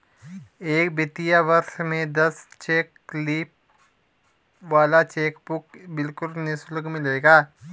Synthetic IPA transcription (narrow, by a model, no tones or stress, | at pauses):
eːkbɪt̪ijaʋɐɾʃmẽd̪ɐst͡ʃeːkː | liːp | ʋaːlat͡ʃeːkbʊkbɪlkʊlnɪslɡmɪleːɡaː